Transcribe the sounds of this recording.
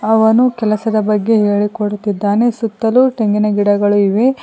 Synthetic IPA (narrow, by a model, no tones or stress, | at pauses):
ɐʋɐnukɛlɐsɐd̪ɐbɐɡːe̞ɦe̞ːɭikoɽut̪id̪ːaːne̞sut̪ːɐluʈeŋɡinɐɡiɽɐɡɐɭuiʋe̞